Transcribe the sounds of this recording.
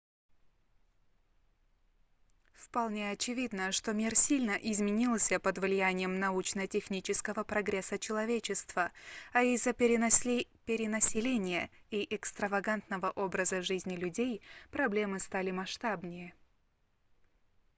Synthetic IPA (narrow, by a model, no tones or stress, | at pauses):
fpɐlˠnʲeɐt͡ɕɪvʲid̪nəʂt̪o̞mʲirsʲilʲnəʔɪzmʲɪnʲilˠsʲəpəd̪vlʲɪjænʲɪjəmnɐut͡ɕnətʲɪxnʲit͡ɕɪskəvəpɾɐɡɾʲesːət͡ɕɪlˠɐvʲet͡ɕɪst̪v̥əɐizːəpʲ | pʲɪɾʲɪnəsʲɪlʲenʲɪjəiʔɛkst̪ɾəvɐɡant̪nəvəʔo̞bɾəzəʐɨzʲnʲɪlʲʉdʲejpɾɐblʲe̞mɨst̪alʲɪmɐʂt̪abnʲɪjə